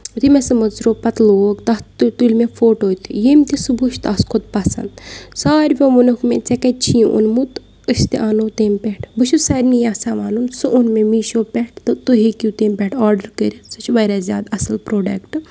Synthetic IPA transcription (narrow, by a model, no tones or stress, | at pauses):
t̪imesɨmɐzɾoːpɐt̪loːkt̪ɐt̪t̪ulʲmẽfoːʈoːjt̪ʰijemʲt̪isɨbuʃt̪ɐskʰod̪̚pɐsɐ̰nd̪saːɾʲʋʲeʋunukmet͡sekɐt͡ʃʰijʔṵnmut̪ | əst̪eʔaːnot̪eːmpɛʈʰbɨʃusɐɾʲnijaːsaːʋaːnunsɨʔunmemiːʃoːpʲɛʈʰt̪ɨt̪uɦikut̪eːmpʲɛʈʰaːɾɖəɾkəɾʲisɨt͡ʃʰʋɐɾaːzʲjaːd̪ɐsɨlpɾoːɖɐkʈ